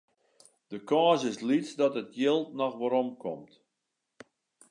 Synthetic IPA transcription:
d̥əkɔːsɪslitt͡sdɔtətjɪlˠtnɔxʋoɾɔmkɔ̰mt

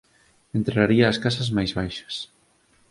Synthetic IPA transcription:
ent̪ɾeaɾiɐːskasɐzmajzβajʃɐ̥s

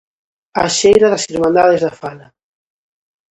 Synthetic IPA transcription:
a̰ʃejɾaðasiɾmãnd̪aðezðafalɐ

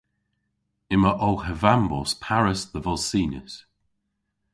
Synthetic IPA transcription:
ɪməʔowhəvambɔ̰spʰaɹəsðəvɔlˠsiːnə̰s

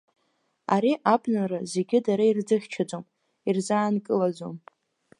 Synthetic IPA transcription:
a̰ɾiʔabnaraze̞ɡʲɪdaɾaird͡zɨχʲt͡ʃʰad͡zʼom | irzaːnkʼɨlad͡zom

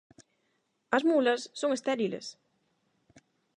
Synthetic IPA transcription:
as̬mulasːoŋəst̪ɛɾilə̰s

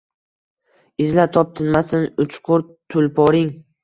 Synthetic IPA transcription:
ɪzlat̪ʰɒp̚t̪ʰɪnmasɪnʊt͡ʃqʰʊɾt̪ʰʊlpʰɒɾɪŋ

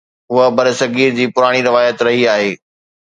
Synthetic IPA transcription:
ɦʊɦəbɐɾsɐɡiːɾd͡ʑiːpʊɾaːɽ̃iɾɪʋaːjət̪ɾɐɦiaːɦeː

